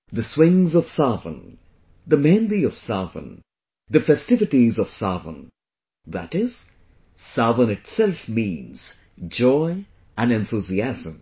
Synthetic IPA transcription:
d̪əswɪ̃ŋzɔv̥savə̰̃n | d̪əmɛ̃nd̪iɔv̥saːvə̰̃n | d̪əfɛstɪvɨʈizɔv̥saːvə̰̃n | ðæ̰tɪz̥ | savə̃nɪʈsɛlfmĩːnz̥ | d͡ʒɔɪ | ʔæ̃nɛ̃nθuziæzə̃m

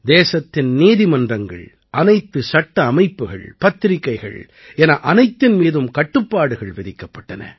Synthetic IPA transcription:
d̪eːsɐt̪ːɪnniːðɪmɐndrɐŋɡɐ̰ɭ | ʔɐnɐɪt̪ːɯsɐʈːɐːmɐɪpːɯɣɐ̰ɭpɐt̪ːɪɾɪkːɐɪɣɐ̰ɭ | ɛnɐʔɐnɐɪt̪ːɪnmiːðɯmkɐʈːɯpːaːɽɯɣɐɭʋɛðɪkːɐpːɐʈːɐnɐ̰

